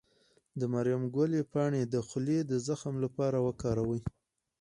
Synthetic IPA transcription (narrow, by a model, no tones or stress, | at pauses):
d̪əmaɾjamɡwalepɑɳed̪əxʊled̪əzaxamlapɑɾawəkɑɾawəj